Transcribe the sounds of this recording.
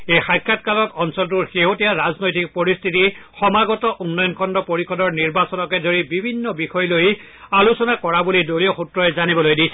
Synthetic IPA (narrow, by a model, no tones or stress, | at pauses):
ejxajkʰːatkalɔkɔnsɔltuɹxeɦotijaɹaznojtik̚pɔɹist̪ʰitixɔmaɡɔtɔʔunːɔjɔnkʰɔndɔpoɹikʰɔdɔɹniɹbasɔnɔkɛdoɹibibʱinːɔbixɔjloj | alusɔnakɔɹabulidolioxutɹɔɛzanibɔlojdijsʰɛ